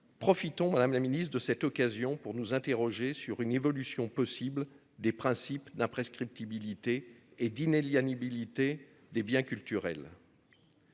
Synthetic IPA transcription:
pχɔfit̪ɔ̃mad̪amlaminist̪d̪əsɛt̪ɔkazjɔ̃puʁnuzɛ̃t̪eʁɔʒesyʁynevɔlysjɔ̃pɔsibl | d̪epχɛ̃sipd̪ɛ̃pχeskχip̚t̪ibilit̪eːd̪ineljanibilit̪e | d̪ebjɛ̃kʲylt̪yʁɛ̰l

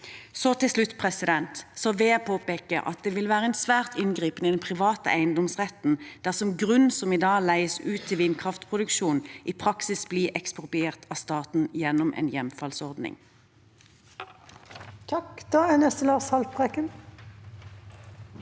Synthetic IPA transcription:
sɔt̪ʰɪlslʉt̪ːpʰʁɛsɪd̪ɛnt̪sɔːʋeːpʰoːpeːkəʔɑ̰t̪̚d̪eːʋɪlʋæːʁəɛnsʋæːʁt̪ɪnɡʁiːpənid̪ɛnpʰʁɪʋɑːt̪ə̰ʔæɪənd̪ɔmsʁɛt̪n̩d̪̥æʁsɔmɡʁʉnsɔmiːd̪ɑːlæɪəsʉːt̪ʰːɪlʋɪnkʰʁɑft̪pʰʁʊd̪ʉkʃuːnʔiːpʰʁɑksɪsbliːʔɛkspʊʁbɪeːʁt̪ɑːst̪ɑːt̪n̩jɛnːɔmʔɛ̰ːnjɛmfɑlsɔʁd̪nɪ̰ŋ | t̪ʰɑkd̪̥ɑːænɛst̪əlɑːʁshɑlt̪bʁɛkən

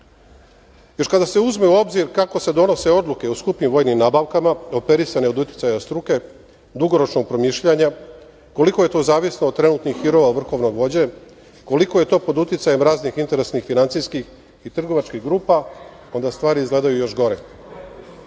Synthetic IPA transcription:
jo̞ɾkad̪ase̞uzme̞uo̞bziɾkako̞se̞d̪o̞no̞se̞o̞d̪luke̞uskupnimʋo̞ːjnimnaːbaʋkamao̞pe̞ɾisane̞od̪ut̪ʲji̥tsajast̪ɾuke̞ | d̪uɡo̞ɾo̞t͡ʃno̞ɡ̚pɾo̞miːʃʎaɲa | ko̞liko̞je̞t̪o̞ːzaːʋisnoːd̪̚t̪ːɾe̞nut̪nixːiɾo̞ʋaʋr̩xo̞ʋno̞ɡʋo̞d͡ʑe̞ | ko̞liko̞je̞t̪o̞ːpo̞d̪ut̪ʲit̪saje̞mɾaːznixint̪e̞ɾesnixfinant̪sijskix | it̪r̩ɡo̞ʋat͡ʃkiɣɡɾuːpa | o̞nd̪ast̪ʋaːɾiizɡle̞ːd̪ajujo̞ʃɡo̞ɾe

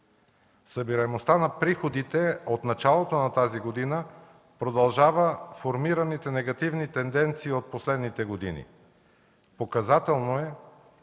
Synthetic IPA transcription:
sɐbiɾɐmost̪anɐpɾixod̪it̪ɛot̪nɐt͡ʃalˠot̪onɐt̪aziɡod̪inə | pɾod̪ɐlˠʒavəfoɾmiɾɐnit̪ɛnɛɡɐt̪ivnit̪ɛnd̪ɛnt̪siːot̪̚poslɛd̪nit̪ɛɡod̪ḭnḭ | pokɐzat̪ɛlˠnoɛ

